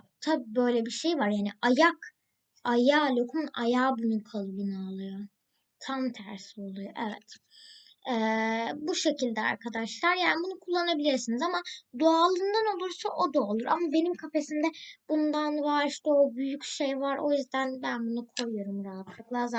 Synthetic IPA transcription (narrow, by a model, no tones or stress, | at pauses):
t̪ʰabiːbø̞jlʲɛbiʃe̞jvaɾjaːniajak | ajaːlʲokʰumna̰jaːbunukʰalˠɯbɯnɯalˠɯjo | t̪ʰamt̪ʰæɾsio̞lˠujoʔevɛ̰t̪ | ɛːbuʃe̞cʰilʲd̪ɛa̰ɾkʰad̪aʃlˠaɾjaːnibunukʰulˠːanabilʲiɾsinizamad̪oalˠɯnd̪ano̞lˠuɾsaʔo̞d̪oalˠuɾa̰mabe̞nimkʰafe̞sind̪ɛb̥und̪anvaɾiʃt̪ɛobyjycʃe̞jvaɾo̞jyzd̪ænbænbunukʰo̞jujo̞ɾumɾaɦat̪ʰlˠɯklˠaza